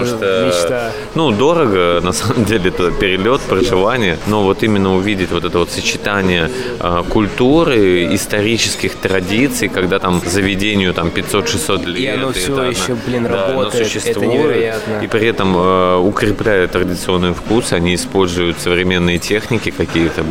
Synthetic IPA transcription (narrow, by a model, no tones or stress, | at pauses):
ʂt̪ə | nud̪o̞ɾəɡənɐsaməmdʲelʲɪɛt̪pʲɪɾʲɪlʲo̞t̪pɾəʐɨvanʲɪjəno̞vo̞t̪imʲɪnːəʊvʲidʲɪtʲvo̞t̪ɛt̪əvo̞t̪sət͡ɕɪt̪anʲɪjəəkʊlʲt̪uɾɨɪst̪ɐɾʲit͡ɕɪskʲɪxt̪ɾɐdʲit̪sɨjkɐɡd̪at̪amzəvʲɪdʲenʲɪjʊt̪ampʲɪtʲso̞t̪ʂɨsːo̞t̪lʲeosɛjɪaoplʲind̪nosʊɕːɪstt̪vujʊtipɾʲɪɛt̪əməʊkɾʲɪplʲæjʊtt̪ːɾədʲɪt̪sɨo̞nːɨjəfkusɨɐnʲiɪspo̞lʲzʊjʊt̪səvɾʲɪmʲe̞nːɨjətʲe̞xnʲɪkʲɪkɐkʲijət̪ə